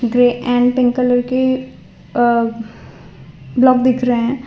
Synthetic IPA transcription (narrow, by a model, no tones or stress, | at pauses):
ɡɾeːʔɛ̃ːɳɖpɪ̃ŋkələɾke | blɔːkd̪ɪkʰɾəeɦɛ̃ː